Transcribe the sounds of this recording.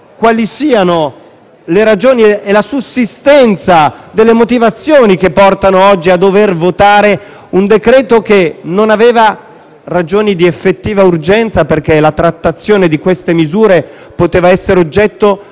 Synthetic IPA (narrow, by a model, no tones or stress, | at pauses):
kwalisiːano | leɾad͡ʒoːnieelasusist̪ɛnt̪sad̪elːemot̪ivat̪sːjoːnik̟epːɔrt̪anoɔd͡ʒːiad̪ːovervot̪aːɾe | und̪ekɾɛːt̪ok̟enonaveːva | rad͡ʒoːnid̪iefːet̪ːiːvaurd͡ʒɛnt̪saperk̟elat̪ɾat̪ːat̪sːjoːned̪ikwest̪emizuːɾe | pot̪eːvaɛsːeɾeod͡ʒːɛt̪ːo